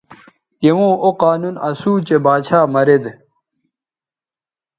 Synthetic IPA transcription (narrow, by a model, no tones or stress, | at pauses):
t̪ewõːʔoqaːnunɐsuːt͡ɕebaːt͡ɕʰaːmɐɾed̪